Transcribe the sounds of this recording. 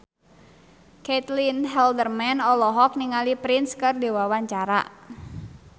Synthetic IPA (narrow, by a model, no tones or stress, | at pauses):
kɛt̪linɦɛldərmɛnɔlɔɦɔk̚niŋalipɾinskɨrdewawaɲt͡ʃaɾa̰